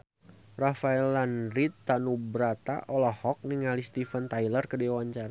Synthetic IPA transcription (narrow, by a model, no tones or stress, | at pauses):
rafaɛlanɾit̪ːanubɾat̪a̰ʔɔlɔhɔk̚niŋalist̪ifənt̪ajlərkədɛwaɲt͡ʃaɾa